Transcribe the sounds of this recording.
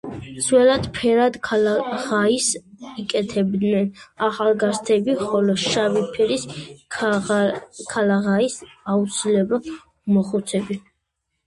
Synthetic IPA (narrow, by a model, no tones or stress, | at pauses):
t̪sʰwɛlad̪pʰɛɾad̪kʰʁaisikʼɛt̪ʰɛbd̪nɛnaχalˠɡazt̪ʰɛbiχɔlɔʃavipʰɛɾis | kʰalaʁaisaut̪sʰilɛba | mɔχut̪sʰɛbi